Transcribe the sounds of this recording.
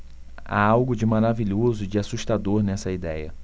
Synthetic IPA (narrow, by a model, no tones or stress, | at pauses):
a̰awɡʊd͡ʒɪmaɾaviʎozʊd͡ʒɪasuʃt̪ad̪oɾnɛsɐid̪ɛjɐ̰